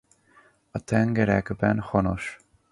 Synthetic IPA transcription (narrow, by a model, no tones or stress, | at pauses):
ɒt̪ɛŋɡɛɾɛɡbɛnhɒnoʃ